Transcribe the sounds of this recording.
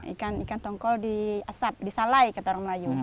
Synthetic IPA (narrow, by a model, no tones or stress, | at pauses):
ḭkanikant̪ɔŋkɔldiasap̚disalajkat̪aɾɔməlaju